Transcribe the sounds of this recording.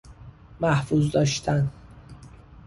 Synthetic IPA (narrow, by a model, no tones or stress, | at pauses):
mæhfuzd̪ɒːʃt̪ʰæn